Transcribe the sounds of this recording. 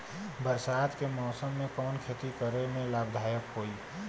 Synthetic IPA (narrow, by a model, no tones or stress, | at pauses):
bəɾsad̪kemɔːsəmːẽkɔːnkʰet̪ikəɾemẽlaːbd̪ʱaːjəkɦoi